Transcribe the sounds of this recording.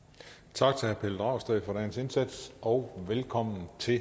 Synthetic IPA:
t͡sʰɑ̈ɡ̥̚t͡sʰe̝hæɐpʰeləd̥ʁɑ̈ʊsd̥ɛɪfɒ̽ɾ̥æɐnəse̝nsæd̥sɒ̽ʊʋelkʰɒ̽m̰n̩t͡sʰe̝

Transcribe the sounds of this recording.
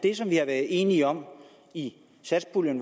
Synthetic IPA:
d̥e̝sɒ̽mʋihɑ̈ʋæɐðˠe̝ːniəɒ̽m | i | sæd̥sb̥ʰuljən

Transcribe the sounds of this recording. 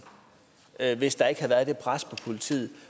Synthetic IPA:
ʋe̝sd̥ɑ̈e̝ɡ̥hæʋæːɐðˠd̥e̥pʰʁaspʰɒ̽pʰo̝lit͡sʰḭːð̩ˠ

